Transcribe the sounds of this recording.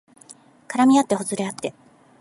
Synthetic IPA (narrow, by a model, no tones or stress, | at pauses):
kaɾamʲiat̪ːe̞hozɨɾe̞at̪ːe̞